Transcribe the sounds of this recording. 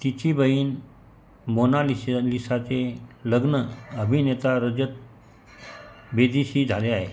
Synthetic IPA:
t̪it͡ɕibəiːn | monalilisat͡seləɡnəəbʱinet̪aɾəd͡ʑət̪̚ | bed̪ʱiɕiːd͡zʱaleaɦe

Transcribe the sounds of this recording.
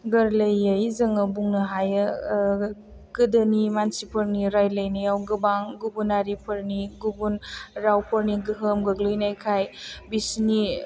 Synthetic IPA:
ɡɐɾlɐjɐjzɐŋɐbuŋnɐɦajɐ | ɡ̥ɯdɐnimansipʰɐɾniɾajlɐjniawɡɯbaŋɡubunaɾipʰɐɾniɡubunɾawpʰɐɾniɡɯɦɯmɡɐɡlɯjnajkʰajbisni

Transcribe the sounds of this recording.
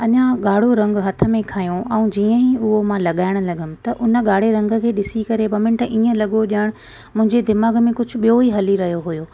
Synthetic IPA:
ɐɲãɠaːɽ̤oɾɐ̃ŋɡɦɐt̪ʰə̆mẽkʰaːjõʔɛũd͡ʑiːə̃ɦiʊɦomãlɐɠaːɪɽ̃lɐɡəm̆t̪ɐʔʊnə̆ɠaːɽ̤eɾɐ̃ŋɡə̆kʰeːɗɪsikɐɾebɐmɪ̃ɳʈĩːə̃lɐɠoɗɪəɽ̃ | mʊ̃ɦɪ̃ɲd͡ʑed̪ɪmaːɡmẽkʊd͡ʑʱʊ̆ɓijoiɦɐliɾɐɦjoɦʊjoː

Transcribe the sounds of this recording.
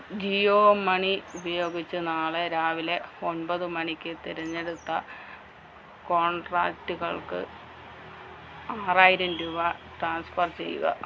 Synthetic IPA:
d͡ʑioːmɐɳiubɐjo̞ːɡit͡ɕːɨnaːɭeɾaːʋile̞onbɐðɨmɐɳikʲːɨt̪iɾɐɲːe̞ɽut̪ːɐ | ko̞ːɳɖra̰ːktːuɣɐɭkɨ̰ | aːraːjiɾɐnduʋɐʈraːnsfɐrt͡ɕe̞̰jːṵɣɐ̰

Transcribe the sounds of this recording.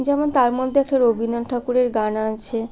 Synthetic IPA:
d͡ʑɛmont̪aɾmod̪ʱːeɛk̚ʈaɾobʱinonʈʰakuɾeɾɡanaat͡ɕʰe

